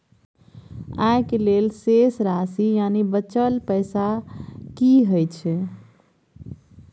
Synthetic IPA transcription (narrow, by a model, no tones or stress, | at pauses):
ajkelelsesɾasijanibət͡ʃəlpəjsakiɦəjt͡ʃʰɛ